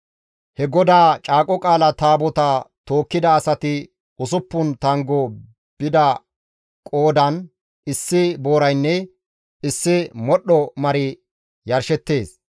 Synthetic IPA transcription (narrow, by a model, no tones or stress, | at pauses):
hɛɡɔd̪aːt͡ʃʼaːkʼɔkʼaːlɐt̪aːbɔt̪ɐt̪o̞ːkːɪd̪ɐːsɐt̪ɪ | ʊs̬ʊpːʊnt̪ɐŋɡɔ | b̥ɪd̪ɐ | kʼoːd̪ɐn | ɪsːɪbo̞ːɾɐjnːɛ | ɪsːɪmɔɗɔmɐɾɪ | jɐɾʃɛt̪ːe̞ːs